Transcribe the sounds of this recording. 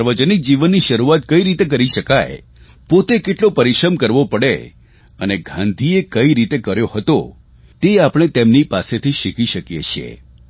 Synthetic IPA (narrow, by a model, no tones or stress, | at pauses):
əɾʋəd͡ʒənik̚d͡ʒiʋənːiʃəɾuat̪kəiɾit̪ek̬əɾiʃəkaj | pot̪ekeʈlopəɾɪʃɾəmkəɾʋopəɽḛ | əneɡʱãnd̪ʱiekəiɾit̪ekəɾjohət̪o̰ | t̪eapɽ̃et̪emnipaset̪ʰiʃikiʃəkjḛt͡ʃʰijḛ